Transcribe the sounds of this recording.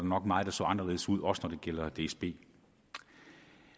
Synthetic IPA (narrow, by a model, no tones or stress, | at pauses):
ɾ̥anɒ̽ɡ̥mɑ̈ːð̩ˠd̥ɑ̈sɒ̰ːɑ̈nɐle̝ːðˠsuð̞̰ˠɒ̽sənɒd̥e̝ɡ̥el̰ɐd̥e̝esb̥e̝̰ː